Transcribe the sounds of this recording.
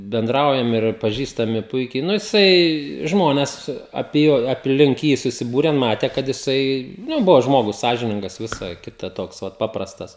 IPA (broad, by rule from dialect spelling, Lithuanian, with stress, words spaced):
bʲɛnˈdrɐʊjɛm ɪr pɐˈʒʲiːstɐmʲɪ ˈpʊɪkʲɛɪ ˈnʊ jɪˈsɐɪ ˈʒmoːnʲɛs ɐpʲiɛ ˈjoː ɐpʲˈlʲɪŋk ˈjiː sʊsʲɪˈbuːrʲɛn ˈmɑːtʲɛ kɐt jɪˈsɐɪ ˈnʊ ˈbʊʋoː ˈʒmoːɡʊs ˈsɑːʒʲɪnʲɪŋɡɐs ˈʋʲɪsɐ ˈkʲɪtɐ ˈtoːks ˈʋɐt ˈpɑːprɐstɐs